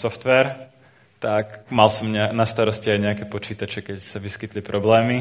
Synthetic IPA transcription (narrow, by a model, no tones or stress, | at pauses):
sɔft̪ʋɛɾ | t̪akmalsɔmɲɛanast̪aɾɔsciajɲɛakɛpɔt͡ʃiːt̪at͡ʃɛkɛcsaʋiskit̪lipɾʔɔblɛːmi